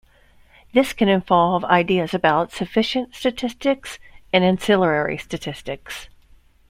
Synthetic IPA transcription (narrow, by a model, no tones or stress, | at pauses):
ðɪskʰɨ̃nɨ̃ɱvɑlˠva̰ɪdiɨzɨbaʊtsɨfɪʃɨ̃ntstɨtʰɪstɪksɨ̃nɨ̃nsɪlˠə˞ɛɹḭstɨtʰɪstɨks